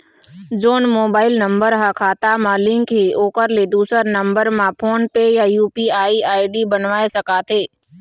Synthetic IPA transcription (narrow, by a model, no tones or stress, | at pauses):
d͡ʒoːnmoːbaːɪlnə̃mbəɾɦakʰaːt̪amãlɪ̃ŋkɦioːkəɾled̪uːsəɾnə̃mbəɾmãpʰoːnpejajuːpiaːiaːɪɖibənʋaːesəkaːt̪ʰeː